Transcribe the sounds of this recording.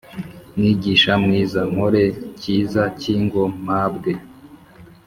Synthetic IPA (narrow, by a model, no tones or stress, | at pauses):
nŋiɟiːʃamŋiːzaŋ̥hoɾe̞ciːzaciːŋɡo̞m̥abɡe